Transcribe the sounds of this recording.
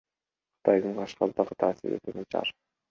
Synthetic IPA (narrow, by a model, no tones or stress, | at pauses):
qʰɯ̥t̪ʰɑjd̪ɯɴqʰɑʃqɑlˠd̪ɑʁɯt̪ʰɑːsḭɾḛt̪enet͡ʃʰɑ̰ɾ